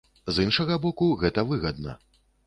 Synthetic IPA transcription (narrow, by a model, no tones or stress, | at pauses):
zinʂɐɣɐbɔkuɣɛt̪ɐvɨɣɐd̪nɐ̰